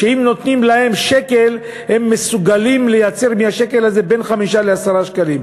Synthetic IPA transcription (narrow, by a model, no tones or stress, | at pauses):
ʃeimno̞t̪nimlahe̞mʃeke̞l | he̞mːesuɡalimle̞jat͡se̞ʁmihaʃe̞ke̞laze̞be̞nχamiʃaleasaʁaʃkalim